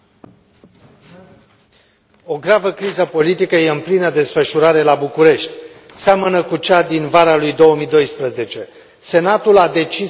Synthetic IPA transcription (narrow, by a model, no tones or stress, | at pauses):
o̞ɡɾavəkɾizəpo̞lit̪ikəje̞ɨmplinəd̪e̞sfəʃuɾaɾe̞labukuɾe̞ʃt̪ʲ | samənəkut͡ʃad̪invaɾalujd̪o̞wəmid̪o̞jspɾəze̞t͡ʃe̞ | se̞nat̪ulad̪e̞t͡ʃi